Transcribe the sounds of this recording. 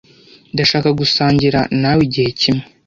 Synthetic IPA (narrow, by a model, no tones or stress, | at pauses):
daʃaːkaɡusaːɲɟiɾa̰naːwiɟihe̞cimŋe